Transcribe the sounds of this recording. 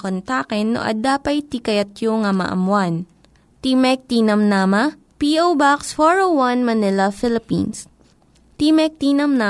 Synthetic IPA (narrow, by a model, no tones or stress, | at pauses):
kont̪aːkɛnːo̰ʔɐ̰d̪aːpɐjt̪ikɐjɐt̪joŋɐmɐ̰ʔɐ̰mwan | t̪imɛk̚t̪inɐmnaːmɐ | piːʔowbaksfoɹowwɐnmɐnɪlɐfɪlɪpḭns | t̪imɛk̚t̪iːnɐmna